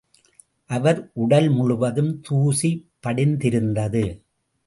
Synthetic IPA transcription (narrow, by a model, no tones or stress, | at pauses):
ʔɐʋɐɾʔʊɽɐlmʊɻʊʋɐðɯmt̪uːsipːɐɽɪnd̪ɪɾɯnd̪ɐðɯ